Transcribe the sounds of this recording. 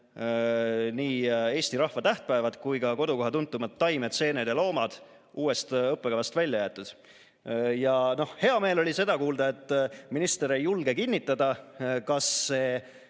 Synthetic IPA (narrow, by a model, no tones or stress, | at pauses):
niːe̞ːst̪iɾɑhvɑt̪æht̪̚pæevɑt̪kujkɑko̞d̪uko̞ɦɑt̪unt̪ːˑumɑt̪ːɑjmet̪se̞ːned̪̥lo̞ːmɑd̪̥ | ʔuːe̞st̪ɤpːˑeɑvɑst̪vælʲjɑjæːt̪ːˑud̪̥ | jɑno̞hhe̞ɑme̞ːlo̞lʲise̞d̪ɑkuːld̪ɑe̞t̪ˑːminist̪eɾejːulɡe̞kinʲːit̪ːˑɑd̪̥ɑkɑsːe̞ː